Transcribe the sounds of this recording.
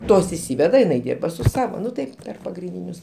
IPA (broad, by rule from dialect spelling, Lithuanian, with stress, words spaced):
ˈtoːs ɪʃʲˈsʲiːʋʲɛdɐ oː ɪˈnɐɪ ˈdʲiːrbɐ sʊ ˈsɑːʋoː ˈnʊ tɐɪ ˈpʲɛr pɐɡrʲɪnʲˈdʲiːnʲʊs